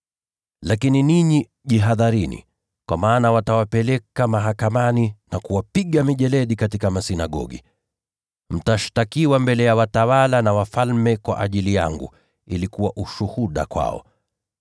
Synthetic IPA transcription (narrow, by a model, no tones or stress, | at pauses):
lakininiɲi | ʄiɦaðaɾinḭ | kwʔa̰maːnawatawapɛlɛkamaɦakamaninakuwapiɠamiʄɛlɛɗikatikamasinaɠɔ̰ɠḭ | m̩taʃtakiwambɛlɛjawatawalanawafalmɛkwa̰ʔaʄilija̰ŋɡṵ | ilikuwaʔuʃuhuɗa̰kwa̰ɔ̰